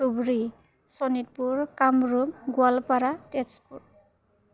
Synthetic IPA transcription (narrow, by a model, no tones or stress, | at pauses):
ubɾi | sɔnit̪̚puɾkamɾumɡwalpaɾatespuɾ